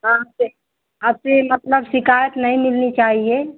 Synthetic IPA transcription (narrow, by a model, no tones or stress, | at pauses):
ɦãɦɐbse | əbsemɐt̪ləbsɪkaːjət̪nəɦĩmɪlnit͡ʃaːɦie